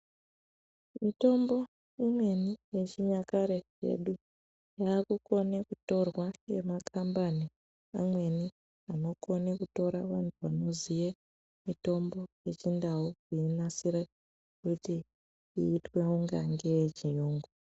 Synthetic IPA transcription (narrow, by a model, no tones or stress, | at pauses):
mito̞mbo̞ | imwe̞nije̞t͡ʃiɲakaɾe̞ | e̞̰ɗu | jaːkuko̞nekuto̞rwaje̞̰makʰambani | amwe̞ni | ano̞ko̞nekuto̞ɾaʋantʰuʋano̞zije | mito̞mbo̞je̞t͡ʃindawuiinasiɾa | kuti | iːtwe̞uŋɡa̰ŋɡejet͡ʃijuːŋɡu